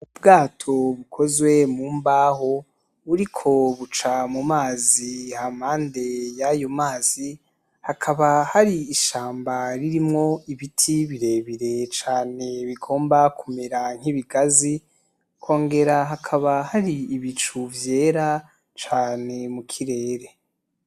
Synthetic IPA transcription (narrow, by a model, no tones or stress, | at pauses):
ub̚ɡaːtʰo̞βukʰo̞zwe̞muːmbaːɦo̞ | βuɾikʰo̞βut͡ʃamumaːziham̥haːnde̞jajo̞maːzi | hakʰaβahaɾiːʃaːmbaɾiɾimŋo̞iβitʰiβiɾe̞βiɾe̞t͡ʃaːne̞βiɡo̞ːmbakumeɾaŋ̥hiβiɡazi | kʰo̞ːŋɡe̞ɾaɦakʰaβahaɾiːβit͡ʃuvje̞ːɾa | t͡ʃaːne̞mukʰiɾe̞ːɾe̞